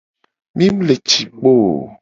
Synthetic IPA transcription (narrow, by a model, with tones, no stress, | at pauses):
mĩ˦m˦le˨t͡ʃi˨k͡po˦˨